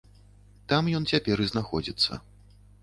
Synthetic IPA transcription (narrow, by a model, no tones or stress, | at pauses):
t̪amjɔnt͡sʲapʲɛɾɨznaxɔd͡zʲit̪sːɐ̰